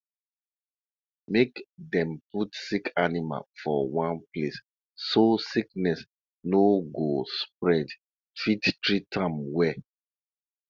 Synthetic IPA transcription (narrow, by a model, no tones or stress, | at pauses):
mekdɛ̃mputsikʰanima̰lfɔwãnples | sosiknɛs | noɡospɹɛd | fittɹitʰãmwɛ